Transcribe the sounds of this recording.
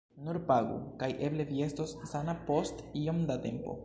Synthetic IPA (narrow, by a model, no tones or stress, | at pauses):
nuɾpaɡṵkajʔe̞ble̞vie̞stossanapo̞stiomdate̞mpo̞̰